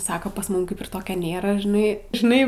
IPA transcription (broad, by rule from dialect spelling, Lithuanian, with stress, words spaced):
ˈsɑːkoː pɐs ˈmʊm ˈkɐɪp ɪr ˈtoːkʲoː ˈnʲeːrɐ ʒʲɪˈnɐɪ ʒʲɪˈnɐɪ